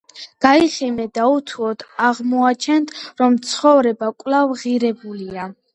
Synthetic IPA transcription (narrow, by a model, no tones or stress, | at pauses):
ɡ̥aiχɛmɛd̪aut̪ʰuɔd̪ʰaʁmɔat͡ʃʰɛnt̪ʰɾɔmt̪sʰχɔvɾɛbakʼvlavʁiɾɛbulia